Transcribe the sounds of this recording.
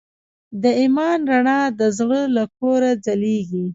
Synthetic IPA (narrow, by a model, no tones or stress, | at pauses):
d̪əimɑnɾaɳɑd̪əzɽəlakoɾad͡zaleɡi